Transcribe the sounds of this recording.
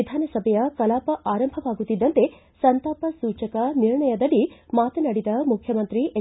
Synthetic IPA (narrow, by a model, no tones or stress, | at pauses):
id̪ʱaːnɐsɐbʱɐjɐkɐlaːpɐʔaːɾɐmbʱɐʋaːɡut̪ːid̪ːɐnt̪e̞ | sɐnt̪aːpɐsuːt͡ʃɐkɐniɾɳɐjɐd̪ɐɽimaːt̪ɐnɐɽid̪ɐmukʰjɐmɐnt̪ɾiʔe